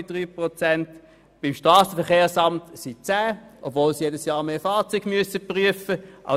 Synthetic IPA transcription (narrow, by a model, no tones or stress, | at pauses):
ɪd̥ʁyːpʁot͡sɛnt | b̥ɪmʃtʁɑːsəfɛɐχeːsɑmtsit͡sæːʔobvoːlsijedəsjɑːʁmeːfɑːʁt͡syɡ̥myəsəpʁyəfəʔa̰